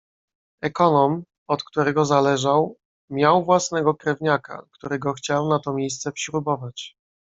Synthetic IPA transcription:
ɛkɔnɔm | ɔt̪kt̪uɾɛɡɔzalɛʐaw | mʲjawvwasnɛɡɔkɾɛvɲaka̰kt̪uɾɛɡɔxt͡ɕawnat̪ɔmʲjejst̪sɛpɕɾubɔvat͡ɕ

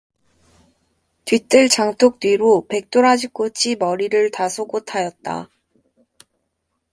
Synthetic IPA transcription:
tɥit͈ɯɭt͡ɕaŋtʰok̚t͈wiɾope̞k̚t͈oɾad͡ʑik͈ot͡ɕʰimʌɾiɾɯɭtasʰoɡotʰajʌt̚t͈a̰

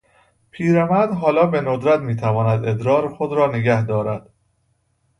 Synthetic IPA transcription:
pʰiːɾæmæd̪ɦɒːlɒːbe̞nod̪ɾæt̪miːt̪ʰævɒːnæd̪e̞d̪ɾɒːɾexod̪ɾɒːneɡæhd̪ɒːɾæd̪̥

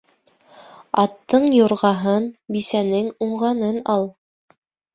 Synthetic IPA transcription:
ɑt̪ːɤɴjŏɾʁɑɦɤnbisænɘŋuɴʁɑnɤnɑlˠ

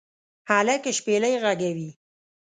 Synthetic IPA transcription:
halakeʃpelajɣaɡawi

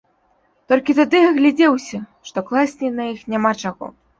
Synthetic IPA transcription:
t̪ɔlʲkʲit̪ad̪ɨɐɣlʲad͡zʲɛwsʲɐʂt̪ɔklˠasʲnʲinɐjixnʲamat͡ʂaɣɔ̰

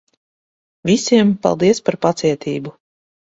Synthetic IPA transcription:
vʲisʲiɛmpa̰lˠd̪iɛspaɾpat̪siɛt̪ʰiːbu

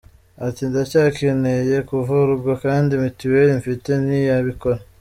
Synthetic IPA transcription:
atindacaːkʰeneje̞kuvuɾubɡakaːndimituweɾiɱfite̞nijaβikoɾa

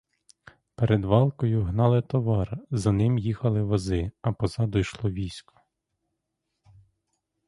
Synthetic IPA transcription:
peɾed̪ʋɑlˠkɔjʊɦnɑlˠɪt̪ɔʋɑrzɐnɪmjixɐlˠɪʋɔzɪɐpɔzɑd̪ɔjʃlˠɔʋʲijsʲkɔ̥

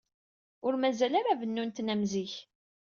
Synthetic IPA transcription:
ʊɾmæzælaɾavənːunt̪næmziç

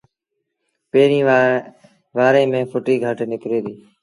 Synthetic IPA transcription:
peːɾĩː | ʋaːɾẽːmẽːfʰʊʈiːɡʱaːʈenɪkɾeːd̪iː

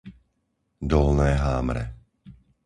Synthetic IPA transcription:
d̪ɔlnɛːɦaːmɾɛ̰

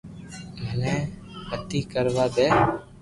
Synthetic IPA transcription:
mənẽːɦət̪iːkəɾʋaːd̪eː

